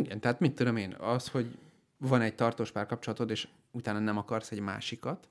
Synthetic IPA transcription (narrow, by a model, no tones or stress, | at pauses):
iɡɛnt̪ɛɦaːt̪mit̪ːud̪o̞meːnɒsho̞ɟ | vɒnɛɟ̚t̪ɒrt̪oːʃpaːrkɒp̚t͡ʃolɒt̪ot̪eːʃ | ut̪aːnɒnɛmɒkɒrsɛɟma̰ːʃikɒt̪